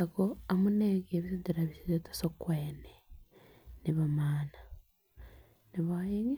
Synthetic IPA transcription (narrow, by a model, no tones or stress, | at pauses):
akoamuneːɡeːβisidiɾaβisizetḁsokweːne | niβamaːna | niβajeŋe